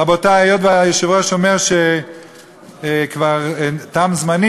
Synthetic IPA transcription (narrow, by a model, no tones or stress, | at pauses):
abot̪aajot̪bajoʃivʁaʃomeʁʃe | kvaʁt̪amzmani